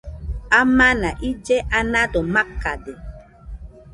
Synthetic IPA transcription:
amanaʔid͡ʒeʔanadɔmakːade

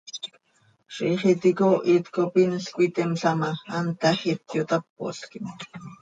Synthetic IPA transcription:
ʃiχit̪ikoʔit̪kopinskʷit̪emɬamaant̪aχit̪jot̪ap̚ːo̰skin

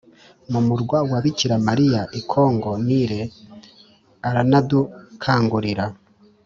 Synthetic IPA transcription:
mumuɾɡwawaβiciɾamaɾijaʔikʰo̞ːŋɡo̞niɾe̞ | aɾanadukʰaːŋɡuɾiɾa

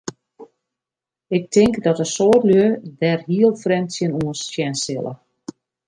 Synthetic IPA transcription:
ɪk̚tʰɪŋkdɔtəsoːtløədɛrɦiəlˠfrɛnsjənuənsjɛnsɪlˠə̰

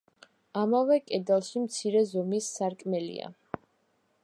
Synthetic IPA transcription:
amavɛkʼɛd̪alˠʃimt̪sʰiɾɛzɔmisːaɾkʼmɛlḭa̰

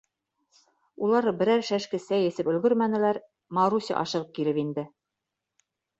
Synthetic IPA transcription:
ulˠɑɾbɘ̆ɾæɾʃæʃkɘ̆sæjɘ̆sɘpɵ̆lɡɵɾmænɘ̆læɾ | mɑɾusʲɑ̰ʔɑ̰ʃɤ̆ʁɤp̚kilɘpind̪ɘ

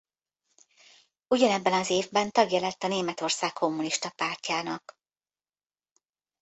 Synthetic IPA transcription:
uɟɒnɛbːɛnɒzeːvbɛnt̪ɒɡjɛlɛt̪ːɒneːmɛt̪o̞rsaːkkʰːo̞mːuniʃt̪ɒpaːrcaːnɒk

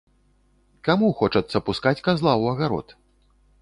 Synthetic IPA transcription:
kamuxɔt͡ʂɐt̪sːɐpuskat͡sʲkazlˠawɐɣaɾɔ̰t̪

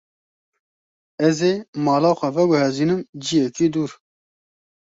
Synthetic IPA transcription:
ɛzeːmɑːlɑːxʷɛvɛɡʊhɛziːnɨmd͡ʒijɛkiːd̪uːɾ

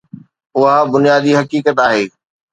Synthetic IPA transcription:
ʊɦabʊnjaːd̪iɦɐkiːkət̪aːɦeː

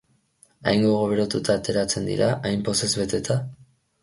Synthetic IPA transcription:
a̰jŋɡo̞ɣ̞o̞βeɾot̪ut̪aːt̪e̞ɾat͡se̞nd̪ḭɾaʔajmpo̞se̞zβet̪e̞t̪ʰa

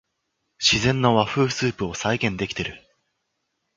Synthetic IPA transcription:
ɕizẽ̞nːoβaɸɯ̟ːsɨːpɯo̞saiɡẽ̞nd̪e̞kʲi̥t̪e̞ɾɯ̟

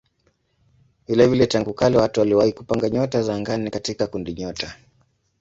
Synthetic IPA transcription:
vilɛvilɛtaŋɡukalɛwatuwaliwahikupaŋɡaɲɔtazaːŋɡanikatikakundiɲɔta

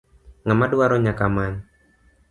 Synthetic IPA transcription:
ŋamaduaɾɔɲakamaɲ

